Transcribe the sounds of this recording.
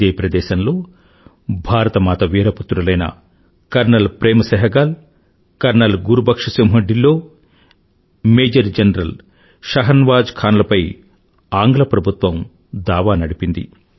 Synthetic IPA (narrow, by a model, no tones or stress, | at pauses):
eːpɾɐd̪ɛːʃɐnloː | bʱaːɾɐt̪ɐmaːt̪ɐʋiːɾɐput̪ːɾulɐjnɐ̰ | kɐɾnɐlpɾeːmɐsɐɦɐɡaːl | kɐɾnɐlɡuɾubɐkʂɐsɐmɦɐɖilːo̞ː | meːd͡ʒɐɾd͡ʒɐnɐɾɐl | ʃɐɦɐnʋaːd͡ʒkʰaːnlɐpɐj | aːŋɡlɐpɾɐbʱut̪ʋɐm | d̪aːʋaːnɐɽipind̪ḭ